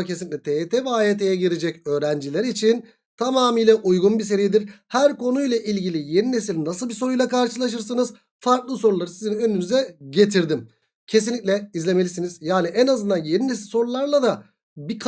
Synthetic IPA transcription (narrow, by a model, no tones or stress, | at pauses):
cʰesinicʲlʲɛt̪ʰet̪ʰevɛaːeːt̪ʰejɛɟiɾed͡ʒɛcø̞ːɾænd͡ʒilʲæɾit͡ʃʰin | t̪ʰamaːmiːjlʲɛʔujɡunbis̬e̞ɾijid̪iɾhæɾko̞nujlˠaʔilʲɟilʲije̞nine̞silʲnasɯlˠbiso̞ɾujlˠakaɾʃɯlˠaʃ̬ɯɾs̬ɯnɯz | faɾklˠɯso̞ɾulˠaɾɯsizinø̞nynyzɛɟe̞t̪ʰiɾd̪im | cʰe̞s̬inlʲicʲlʲɛizlʲe̞me̞lʲisiniz̥jaːniʔɛnazɯnd̪anjeninesilʲso̞ɾulˠaɾlˠad̪a | bikʰ